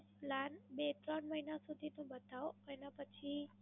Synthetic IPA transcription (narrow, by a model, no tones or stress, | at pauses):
planbet̪ɾəɳməɦinasud̪ʱit̪obəd̪ʱawənapət͡ʃʰi